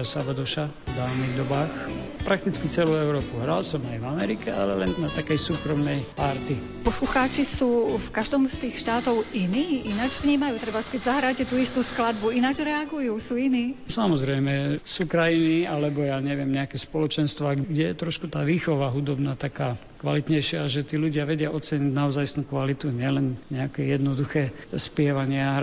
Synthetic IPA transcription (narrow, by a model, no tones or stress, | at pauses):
sabad̪ɔʃa | vd̪aːʊniɣd̪ɔbaːx | pɾak̚t̪it͡skit͡sɛluɛʊɾɔːpuɦɾalsɔmajvamɛɾikɛa̰lɛlɛnnat̪akɛjsuːkɾɔmnɛjpaɾt̪i | pɔsluxaːt͡ʃisuːfkaʒd̪ɔːmst̪iːxʃt̪aːt̪ɔʊiniːʔinad͡ʒvɲiːmajuːt̪ɾɛbaskɛɟzaɦɾaːcɛt̪uist̪usklad̪̚buinad͡ʒɾɛaɡujusuːiniːsamɔzɾɛjmɛsuːkɾajinialɛbɔjaːɲɛʋɪɛmɲɛakɛspɔlɔt͡ʃɛnst̪ʋaɡɡɟɛjɛt̪ɾɔʃkut̪aːʋiːxɔʋaɦud̪ɔbnaːt̪akaː | kʋalit̪ɲɛjʃɪaʒɛt̪iːluɟɪaʋɛɟɪaʔɔt͡sɛɲiɟnaɔzajsnuːkʋalit̪uɲɪɛlɛnɲɛakɛjɛd̪nɔd̪uxɛː | spɪɛʋaɲɪa